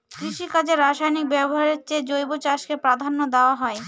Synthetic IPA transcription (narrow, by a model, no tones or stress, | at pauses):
kɾiʃikad͡ʑeɾaʃajnik̚bɛboɦaɾeɾt͡ɕed͡ʑojbot͡ɕaʃkepɾad̪ʱanːod̪eoaɦɔe